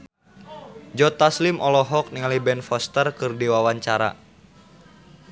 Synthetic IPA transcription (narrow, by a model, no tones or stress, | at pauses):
d͡ʒɔt̪aslimʔɔlɔɦɔk̚niŋalibɛnfɔst̪ərkɨrdiwawaɲt͡ʃaɾa̰